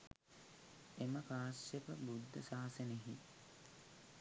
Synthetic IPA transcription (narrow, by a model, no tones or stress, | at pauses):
eməkaːsjepəbud̪ːəsaːseneɦḭ